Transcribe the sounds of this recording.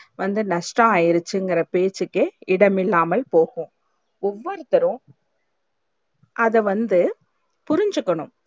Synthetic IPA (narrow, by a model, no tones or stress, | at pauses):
ʋɐnd̪ɯnɐʂʈɐ̃aːjɪɾɯt͡ʃːɯŋɡɪɾɐpeːt͡ʃːɯkːɯɪɽɐmɪlːaːmɐlpoːɣʊ̃ | ʊʋːɐɾɯt̪ːɐɾɯ̃ | ʔɐðɛʋɐnd̪ɯ | pʊɾɪɲd͡ʒɯkːɐɳɯ̃m